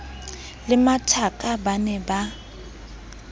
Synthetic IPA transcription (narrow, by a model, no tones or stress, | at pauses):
lɪmatʰakʼabanɛba